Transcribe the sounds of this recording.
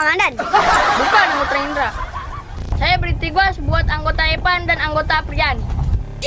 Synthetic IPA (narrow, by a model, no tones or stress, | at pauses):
ŋandanbukanaŋɡot̪aind̪ɾa | sajabəɾit̪iɡasbuat̪aŋɡot̪aepandanaŋɡot̪apɾian